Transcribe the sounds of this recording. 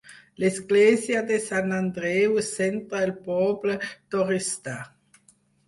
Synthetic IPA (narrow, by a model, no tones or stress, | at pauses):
lesɡleːzjad̪esanand̪ɾewesent̪ɾaelpɔːblet̪oɾist̪a